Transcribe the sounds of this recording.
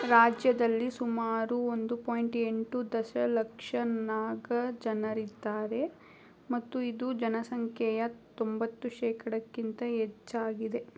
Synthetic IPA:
ɾaːd͡ʒjɐd̪ɐlːisumaːɾuond̪upoːjɳʈe̞ɳʈud̪ɐʃɐlɐkʂɐnaːɡɐd͡ʒɐnɐɾid̪ːaːɾe̞ | mɐt̪ːuid̪ud͡ʒɐnɐsɐŋkʰjɛjɐt̪ombɐt̪ːuʃɛːkɐɽɐkːint̪ɐɦet͡ʃːaːɡid̪e̞

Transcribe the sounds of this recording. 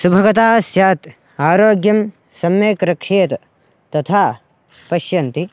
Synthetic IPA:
subʱɐɡɐt̪aːsjaːt̪ | aːɾoːɡjɐm | sɐmjeːkɾɐkʂeːt̪ɐ | t̪ɐt̪ʰaː | pɐʃjɐnt̪i

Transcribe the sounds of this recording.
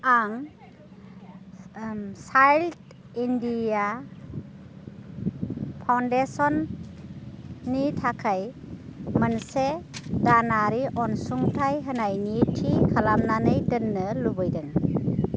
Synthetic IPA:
aŋ | sajlt | india | pʰawndesɔn | itʰakʰaj | mənsedanaɾiʔɔnsuŋtʰajɦənajnitʰikʰalamnanɯjdɯnːɯlubɯjdɯŋ

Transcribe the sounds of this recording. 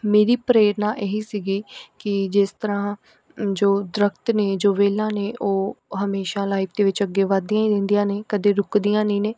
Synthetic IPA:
meːɾiːpɾeːɾnãːʔeːɦiːsiːɡiːkɪd͡ʒɪst̪əɾãː | d͡ʒoːd̪ɾəkt̪neːd͡ʒoːʋeːlãːneːʔoːɦəmeːʃãːlaːiːpʰd̪eːʋɪt͡ʃəɡːeːʋaːd̪ijãːĩd̪ɪnd̪ijãːneːkəd̪eːɾʊkd̪ijãːnĩːneː

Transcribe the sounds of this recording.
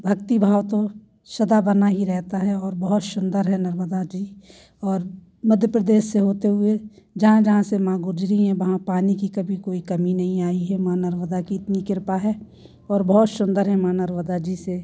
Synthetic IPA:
bʱɐkt̪ibʱaːwt̪o | ʃɐd̪abɐnaɦiɾɛɦt̪aɦɛɔːɾbɐɦʊt̪sʊ̃nd̪əɾɦɛnɐɾməd̪ad͡ʒiː | ɔːɾ | mɐd̪ʱjəpɾəd̪eːsːeɦoːt̪eɦʊe | d͡ʒɐɦãd͡ʒɐɦãsemãːɡʊd͡ʒɾiɦɛ̃ʋɐɦãpaːnikikɐbʱikoːikɐminɐɦĩaːiɦɛmãːnɐɾməd̪akiɪt̪nikɪɾpaɦɛ | ɔːɾbɐɦʊt̪sʊ̃nd̪əɾɦɛmãːnɐɾməd̪ad͡ʒise

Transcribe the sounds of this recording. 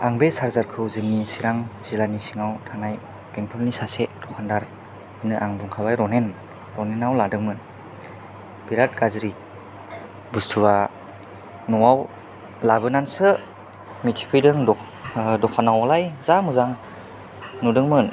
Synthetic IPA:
aŋbesaɾzaɾkʰɯwzɯmnisiɾaŋzilanisiŋawtʰanaj | peŋpʰɔlnisased̥ɔkʰandaɾ | inɯʔaŋbuŋkʰabajɾɔnen | ɾɔnenawladɯŋmɯn | biɾat̚ɡazɾi | bustʰuɾa | nɔwaw | laβɯnansɯ | mitʰi̥kʰɯjdɯŋdɔ | dɔkʰanawalajzamuzaŋ | nudɯŋmɯn

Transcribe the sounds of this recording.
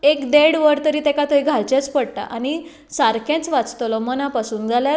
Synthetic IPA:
ekd̪eɽʋəɾt̪əɾiːt̪ɛkat̪oiɡʱalt͡ɕɛ̃t͡spəɽʈ̪a̰ʔañi | saɾkɛ̃t͡sʋat͡st̪lɔmənapasuːnd͡zʱalja

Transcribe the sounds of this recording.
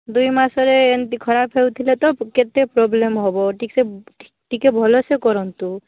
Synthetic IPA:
d̪ujmasɔɾeːnt̪ikʰɔɾapʰewt̪ʰilet̪ɔket̪epɾɔblemɦɔbɔʈikse | ʈikebʱɔlɔsekɔɾɔnt̪u

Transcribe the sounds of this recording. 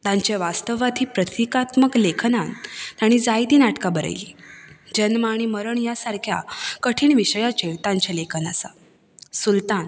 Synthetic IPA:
t̪ãɲt͡ɕeʋast̪əʋat̪ʰiːpɾət̪ʰikat̪məklekʰnant̪jaɽ̃iːd͡zajd̪iːnaʈkabəɾə̰jliːd͡ʑənmaɽ̃iməɾəɳjasaɾkʰja̰kəʈʰiːɳʋiɕjat͡ɕeʋt̪ãɲt͡ɕelekʰəna̰sa̰ | sult̪an

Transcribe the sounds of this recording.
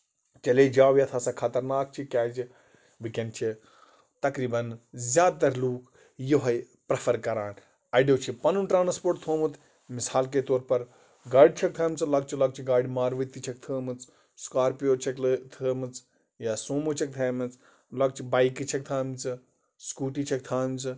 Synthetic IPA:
t͡ʃɐleːd͡ʒaːwjɐt̪ʰɐsɐkʰɐt̪ɐɾnaːk̚t͡ʃʰikʲaːd͡ʒi | ʋɨkʲɐnt͡ʃʰi | t̪ɐkɾiːbɐnzʲaːd̪̚t̪ɐɾluːk | joɦɐj | pɾɐfʰɐɾkɐɾaːn | ɐɖeːt͡ʃʰipɐnunʈɾaːnspoːɾʈt̪ʰoːmɨt̪ | misaːlket̪oːɾpɐɾ | ɡaːɖ̚t͡ʃʰɐk̚t̪ʰɐːmt͡sɨlɐɡ̚t͡ʃʰilɐɡ̚t͡ʃʰiɡaːɖimaːɾʋɐt̪it͡ʃʰɐk̚t̪ʰəːmɨt͡s | skaːɾpijoːt͡ʃʰɐklt̪ʰəːmɨt͡s | jaːsoːmut͡ʃʰɐk̚t̪ʰɐːmɨt͡s | lɐɡ̚t͡ʃʰibaːikit͡ʃʰɐk̚t̪ʰaːmt͡sɨ | skuːʈit͡ʃʰɐk̚t̪ʰaːmt͡sɨ

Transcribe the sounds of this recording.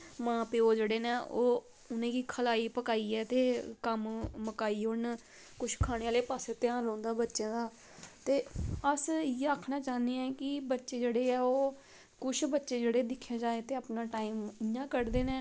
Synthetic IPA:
mãːpeːoːd͡ʒeːɽeːneːoː | ʊnẽːkiːkʰəlaːiːpəkaːiːɛːt̪eːkəmməkaːiːʊɳ | kʊʃʰkʰaːɽ̃eːaːleːpaːseːt̪ɪjãːnlõːnd̪aːbətːʃẽːd̪aː | t̪eːəsɪjeaːkʰnaːt͡ʃaːnd̪eɛːkɪbətːʃeːd͡ʒeːɽeːɛːoː | kʊʃʰbətːʃeːd͡ʒeːɽeːd̪ɪkʰːjaːd͡ʒaːeːt̪eːaːpnaːʈaːiːmɪjãːkəɾd̪eːnẽː

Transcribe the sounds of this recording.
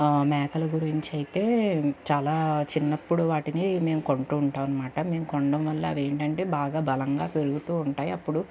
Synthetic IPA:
mɛːkɐlɐɡuɾiɲt͡ʃiɐjit̪e̞ːt͡ʃaːlaːt͡ʃinːɐpːuɽuʋaːʈinime̞ːmuko̞ɳʈuːɳʈaːʋɐnːɐmaːʈɐme̞ːmukoɳɖɐmʋɐlːɐʋeːɳʈɐɳʈe̞ːbaːɡaːbʱɐlɐŋɡaːpe̞ɾuɡut̪uːuɳʈaːjiɐpːuɽu

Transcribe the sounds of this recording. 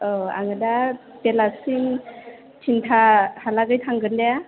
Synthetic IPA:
ɔa̰ŋada | pelasin | tʰintʰahalaɡajtʰaŋɡɯndea

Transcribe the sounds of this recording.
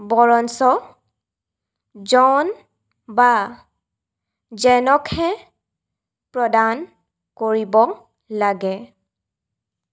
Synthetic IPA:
bɔɹɔnsɔ | zɔn | ba | zɛnɔkʰhɛ | pɹɔdan | koɹibɔ | laɡɛ

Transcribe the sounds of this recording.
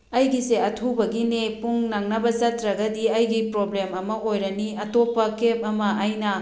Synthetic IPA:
ɐjɡiseɐtʰubɐɡinepuŋnaŋnɐbɐzɐtɾɐɡɐdiɐjɡipɾoblemɐmɐojɾɐniɐtopːɐkep̚ɐmɐɐjnɐ

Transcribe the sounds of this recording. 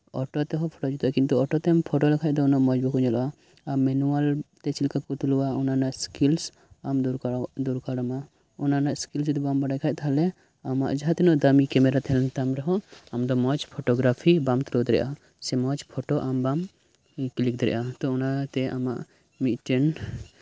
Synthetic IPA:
ɔ̰ʈɔt̪ɛɦɔpʰɔ̥ʈɔd͡ʒut̪ʔakint̪uɔʈɔt̪ɛampʰɔʈɔlɛkʰaj̚d̪ɔnɔʔmɔd͡ʒbɔkɔɲɔlɔʔa | amɛnualt̪ɛt͡ʃilkakut̪uluwaɔnanaʔskils | amd̪ɾd̪uɾkaɽama | ɔnanaʔskils̬d̪ɛbambaɽajkʰac̚t̪ʰalɛ | ama̰ʔd͡ʒaɦat̪ɛnɔʔd̪amikɛmɛɾat̪ɛlɛnt̪amɾɛɦɔamd̪ɔmɔt͡ʃpʰɔʈɔɡɾapʰibamt̪ɾod̪ɾɛ̰ʔa | sɛmɔt͡ʃpʰɔʈɔʔambam | klik̚d̪ɾɛ̰ʔat̪ɔɔnat̪ɛa̰maʔ | mit̪ʈɛn

